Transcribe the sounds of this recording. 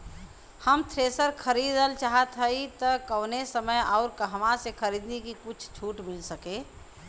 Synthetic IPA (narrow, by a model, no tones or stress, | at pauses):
həmt̪ʰɾeːsəɾkʰəɾiːd̪əlt͡ʃaɦət̪ɦəit̪əkəʊnesəməjɔːʊɾkəɦəmãsekʰəɾiːd̪nekikʊt͡ʃʰt͡ʃʰuːʈmɪlsəkeː